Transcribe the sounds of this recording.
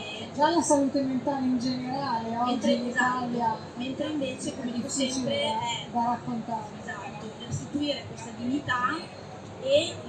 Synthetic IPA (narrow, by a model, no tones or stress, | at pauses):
d͡ʒalasaluːt̪ement̪aːleind͡ʒeneɾaːleɔnd͡ʒt̪iinialja | ment̪ɾeiɱveːt͡ʃekomd̪it͡ʃiad̪arakːont̪aːezat̪ːopeɾst̪it̪uiːɾekwest̪abinit̪a | e